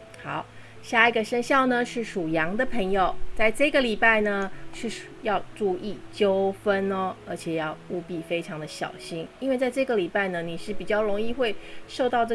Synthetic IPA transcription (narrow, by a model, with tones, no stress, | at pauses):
xɑ˨˩˦ʊ | ɕja˥˩i˧˥ɡə˨ʂə˥nɕjɑ˥˩ʊnə˧ʂɻ̩˥˩ʂu˨˩jɑ˧˥ŋd̪ə˧pʰə˧˥ŋjo˨ʊt͡sa˥˧ɪʈ͡ʂɤ˥˩ɡə˩li˨˩pa˥˩ɪnə˩ʂɻ̩˥˩˨jɑ˥˧ʊʈ͡ʂu˥˧i˥˩t͡ɕjo˥ʊfə˥nɔ˦ə˞˧˥t͡ɕʰjɛ˨˩jɑ˥˩ʊu˥˧pi˥˩fe˥ɪʈ͡ʂʰɑ˧˥ŋd̪ə˧ɕjɑ̰˨˩ʊɕi˥ŋi˧˥nwe˥˧ɪt͡sa˥˧ɪʈ͡ʂɤ˥˩ɡə˩li˨˩pa˥˩ɪnə˩ni˨˩ʂɻ̩˥˩pi˨˩t͡ɕjɑ˥˩ʊlo˧˥ŋi˥˧xwe˥˧ɪʂo˥˧ʊt̪ɑ˥˧ʊʈ͡ʂɤ˥˩